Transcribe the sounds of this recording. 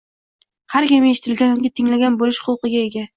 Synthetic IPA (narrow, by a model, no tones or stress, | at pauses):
haɾkʲɪmeʃɪt̪ʰɪlɡʲanʊŋʲɪt̪ʰɪŋlaɡʲanbolɪʃχʊlˠqɨɡʲae̞ɡʲa